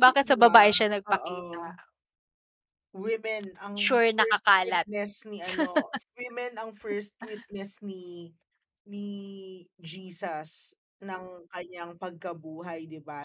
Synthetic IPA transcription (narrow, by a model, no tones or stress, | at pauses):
baːkɪt̪sɐbɐbaːʔɪʃɐnɐɡ̚pɐkiːt̪ɐ | wɪmɛnɐŋʃuɹnɐkɐkaːlɐt̪̚ɛsniʔɐnwɪmɛnɐŋfɛɹst̪̚wɪt̪̚nɛsni | ni | d͡ʒiːsɐs | nɐŋkɐɲːaŋpɐɡ̚kɐbuːɦɐjd̪ɪba